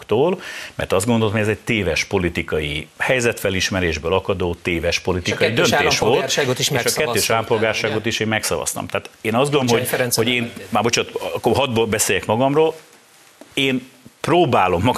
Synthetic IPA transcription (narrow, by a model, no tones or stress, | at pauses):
kt̪oːlmɛ̰rt̪ɒzd̪ɡond̪oloɦoɛzɛc̚t̪eːvɛʃpo̞lit̪ikɒjihɛjzɛt̪fɛliʃmɛɾeːʒbøːlɒkɒd̪oːt̪eːvɛʃpo̞lit̪ikɒjid̪ønt̪eːʃʋo̞lt̪ːɡot̪iʃeʃɒkɛːøːʃalmpo̞lɡaːrʃaːɡo̞t̪iʃeːmmɛksɒ̰vɒ̰st̪ɒ̰mt̪aːt̪eːnɒzɡolomɦonho̞ɟeːnmaːbo̞t͡ʃot̪kːoɦɒd̪bɒbɛseːjɛkmɒɡɒmroːl | eːnproːbaːlo̞mːɒ